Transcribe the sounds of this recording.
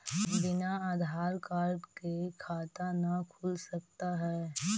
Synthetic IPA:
bɪnaaːd̪ʱaːɾkaːɾɖkekʰaːt̪anɐkʰʊlsɐkt̪aɦɛː

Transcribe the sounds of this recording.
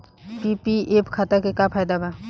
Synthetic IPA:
pipiepkʰat̪akekapʰaːjd̪abʱa

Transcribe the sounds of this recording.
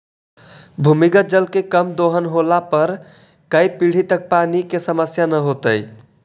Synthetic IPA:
bʱumiɡəd͡ʒəlkekəmd̪oɦənɦolapəɾ | kəjpiɽ̤it̪ək̚panikesəməsjanəɦot̪əj

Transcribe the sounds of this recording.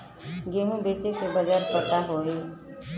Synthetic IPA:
ɡeːɦũbeːt͡ʃekebəd͡ʒaːɾpət̪aɦoːiː

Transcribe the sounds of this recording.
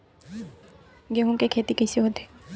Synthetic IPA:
ɡeɦũkekʰet̪ikejsiɦot̪e̥

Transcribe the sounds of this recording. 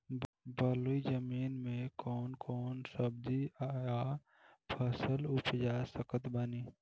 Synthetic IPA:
bəluid͡ʒəmiːnmẽkɔːnkʰɔːnsəb̚d̪iaja | pʰəsəlʊpd͡ʒaːsəkət̪bəniː

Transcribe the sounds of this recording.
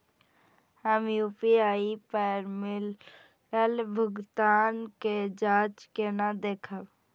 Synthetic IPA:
həmjuːpiaːipɛɾmɪl | əlbʱʊɡt̪aːnked͡ʒaːt͡ʃkenad̪eːkʰəb

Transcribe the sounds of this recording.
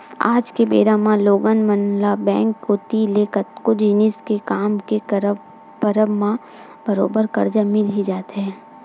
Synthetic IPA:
a̰ːd͡ʒkebḛːɾamãloːɡənmənlabɛ̃ːŋkːot̪ilekət̪kod͡ʒiːnɪskekaːmkeɾ | bəɾəbmã | bəɾoːbəɾkɐɾd͡ʒamɪlɦid͡ʒaːt̪ɦɛ̃ː

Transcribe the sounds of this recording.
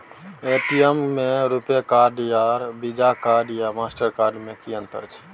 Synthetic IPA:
eʈijemːẽɾupjekaɾɖjaɾbid͡ʒakaɾɖjamasʈəɾkaɾɖmẽkijə̃nt̪ə̰t͡ʃʰ

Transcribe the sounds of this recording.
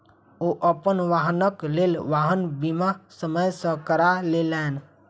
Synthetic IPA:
oʔəpənʋaɦənəklelʋaɦənbimasəməjsə̃kəɾalelɛn

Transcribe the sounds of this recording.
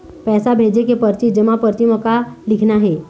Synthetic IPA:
pɛsabʱed͡ʑekepəɾt͡ɕid͡ʑəmapəɾt̪iməkalikʰnaɦe

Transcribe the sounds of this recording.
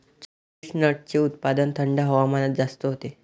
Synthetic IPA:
t͡ɕ | isnəʈ̚t͡seut̪pad̪ənt̪ʰəɳɖaɦɔʋamanat̪̚d͡zast̪əɦot̪e

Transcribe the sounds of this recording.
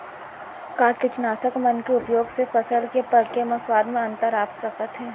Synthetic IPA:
kaːkɪt͡ʃnaːsəkmɐnkeʊpjoːɡsefɐsəlkepɐɾkemɐswaːd̪mẽɐ̃nt̪əɾaːpsɐkət̪ɦɛː

